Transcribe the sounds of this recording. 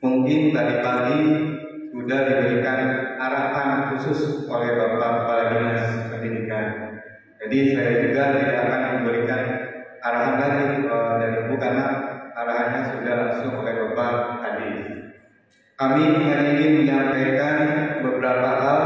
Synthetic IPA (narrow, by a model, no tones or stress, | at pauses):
muŋkɪnt̪adipaɡi | sudadibəɾikanaɾahanak̪husʊsolɛhbapakəpaladənassəpərt̪idikan | d͡ʒadisajad͡ʒuɡadadiakanadibəɾikan | aɾaɦanlaɡit̪uaandadibukalahaɾaɦaɲasudahlaŋsʊŋolɛhbapaʔhadɪs | kamiəŋaniɡiməɲapajkanbəbəɾapaɦa